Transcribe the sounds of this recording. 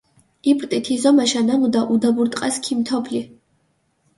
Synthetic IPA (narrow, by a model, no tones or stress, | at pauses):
ipʰʼɾt̪ʼit̪ʰizɔmaʃanamud̪aʔud̪abuɾt̪ʼqʼaskʰimt̪ʰɔbʰli